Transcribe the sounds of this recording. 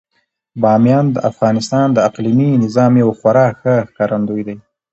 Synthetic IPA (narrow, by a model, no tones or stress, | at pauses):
bɑmjɑnd̪əʔafɣɑnɪst̪ɑnd̪əaqliminɪzɑmewxwaɾɑxəxkɑɾand̪ujd̪aj